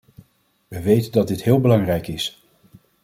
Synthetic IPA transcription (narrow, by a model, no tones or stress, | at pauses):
ʋəʋejtəndɑt̚dɪtɦɪːlˠbəlɑŋrɛjkɪs